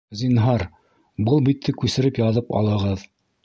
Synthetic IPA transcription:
zinɦɑɾ | bɤlˠbit̪ʰːɘkʉsɘ̆ɾɘpjɑðɤpɑ̰lˠɤ̆ʁɤð

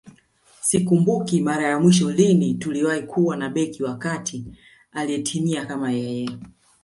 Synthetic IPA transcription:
sikumbukimaɾajamwiʃɔlinituliwaikʰuwanaɓɛkiwakatʰi | aliɛtʰimiakamajɛjɛ

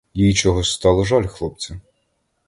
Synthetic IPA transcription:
jit͡ʃɔɦɔst̪ɑlˠɔʒɑlʲxlˠɔp̚t͡sʲɐ

